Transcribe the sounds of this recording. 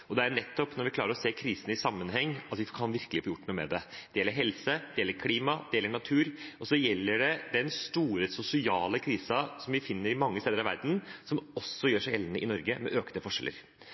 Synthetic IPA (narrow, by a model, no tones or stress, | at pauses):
ɔd̪ɛæɾɳɛt̪ːɔpnɔɾʋɪkʰlɑːɾəɾɔseːkʰɾiːsənɪsɑmːənɦɛŋːɑt̪ʋɪfkʰɑnʋɪɾkəlɪfɔɾjʊʈːnuːmɛ̰d̪ɛd̪̥ɛjɛlːəɾɦɛlsəd̪ɛjɛləɾkʰliːmɑd̪ɛjɛləɳɑt̪ʰʉːɾɔsɔjɛlːəɖɛd̪ɛnst̪uːɾəsʊsɪɑːləkʰɾiːsɑsɔmʋɪfɪnːəɾɪmɑŋːəst̪eːd̪əɾɑʋæ̰ɾd̪n̩sɔmɔsːɔjøːʂæɪjɛlnəʔɪnɔɾɡəmɛʔøːknəfɔʂɛ̰lʔə̰ɾ